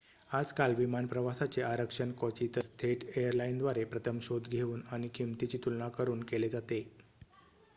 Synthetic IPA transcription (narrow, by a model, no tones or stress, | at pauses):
ad͡zkalʋimanpɾəʋasat͡seʔaɾəkʂənkɔt͡ɕit̪əst̪ʰeʈejəɾlaind̪ʋaɾepɾət̪ʰəmɕod̪ɡʱeuːnaɽ̃ikʰimt̪it͡ɕiːt̪ulnakəɾuːnkeled͡zat̪e